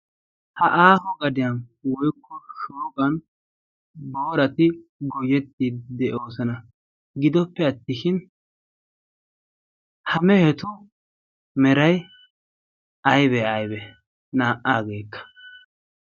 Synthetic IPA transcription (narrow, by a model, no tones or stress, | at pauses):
hɐʔaːhɔɡɐd̪ɪjɐnwɔjkʰːɔʃoːɡɐn | bo̞ːɾɐt̪ɪɡɔjɛt̪ːid̪ɛʔo̞ːsɐnɐ | ɡɪd̪ɔpːɛɐt̪ːɪʃɪn | hɐmɛhɛt̪ʊ | mɛɾɐj | ɐjbɛɐjbɛ | naːʔʔaːɡe̞ːkːɐ̥